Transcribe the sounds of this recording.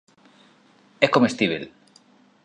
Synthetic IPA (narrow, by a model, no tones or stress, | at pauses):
ekomest̪iβ̞ḛl